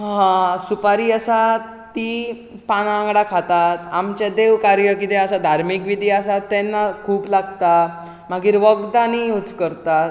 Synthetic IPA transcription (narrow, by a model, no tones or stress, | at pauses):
ɦãsupaɾiːəsa | t̪i | paɽ̃ãŋɡɽakʰat̪at̪amt͡ɕjad̪eʋkaɾjəkit̪ɛəsad̪ʱaɾmikʋid̪ʱiasat̪ːɛnːakʰuːplaɡt̪a | m̤aɡiːɾʋəɡd̪aniut͡skəɾt̪a